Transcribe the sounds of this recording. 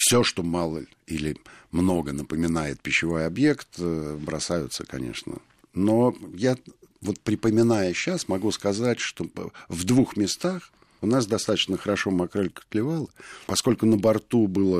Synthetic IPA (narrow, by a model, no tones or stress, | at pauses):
fsʲo̞ʂt̪o̞malˠə | ilʲɪmno̞ɡənəpəmʲɪnajɪt̪̚pʲɪɕːɪvo̞jɐbje̞kt̪bɾɐ̰sajʊt̪səkɐ̰nʲḛʂnə̰ | no̞ja | vo̞t̪̚pɾʲɪpəmʲɪnajəɕːasmɐɡuskɐzatʲʂt̪o̞vd̪vuxmʲɪst̪ax | ʊnas̬d̪ɐst̪at̪ət͡ɕnəxəɾɐʂo̞mɐkɾolʲkə̥klʲɪvalˠəpɐsko̞lʲkʊnəbɐrt̪ubɨlˠə